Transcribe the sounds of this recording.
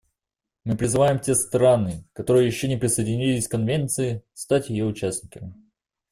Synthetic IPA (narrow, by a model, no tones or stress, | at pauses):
mɨpɾʲɪzɨvajɪmtʲe̞st̪ɾanɨkɐt̪o̞ɾɨjəjɪɕːonʲɪpɾʲɪsəjɪdʲɪnʲilʲɪsʲkɐnvʲe̞nt̪sɨɪst̪atʲjɪjo̞ʊt͡ɕæsʲnʲɪkəm